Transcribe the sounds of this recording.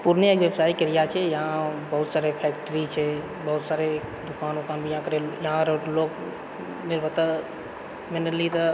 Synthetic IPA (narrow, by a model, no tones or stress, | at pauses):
puɾniekʋebsaːikeɾijat͡ʃʰɛjɐɦãbəɦut̪saːɾepʰɛːk̚ʈəɾit͡ʃʰɛ | bəɦʊt̪saːɾe | d̪ʊkaːnokaːnbʱijɦãkəɾejɐɦãɾloːk | nɪɾbʱət̪ə | mɪnəlit̪ə